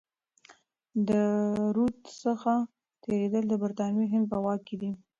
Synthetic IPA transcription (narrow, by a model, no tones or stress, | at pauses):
d̪əɾut̪səxa | t̪eɾed̪əld̪əbaɾt̪ɑnjoɦɪnd̪̚pəwɑkːed̪i